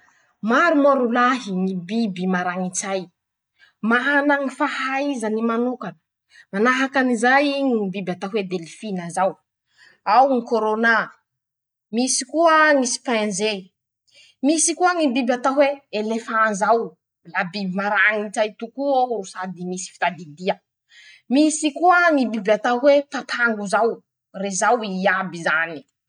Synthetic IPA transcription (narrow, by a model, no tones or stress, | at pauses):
maɾumoɾulaɦiŋibibimaɾaŋit͡saj | maɦanaŋifahaizanimanukanə̥ | manaɦakanizajŋibibat̪aɦwed̪elifinazaw | awŋikoɾona | misikuəŋisi̥pãnze | misikuəŋibibʲat̪aɦweelefanzaw | labibimaɾaŋit͡ʃajt̪ukuorusad̪imisi̥fi̥t̪ad̪id̪iə | misikuəŋibibat̪aɦwepat̪ʰaŋɡuzaw | rezawiabizani̥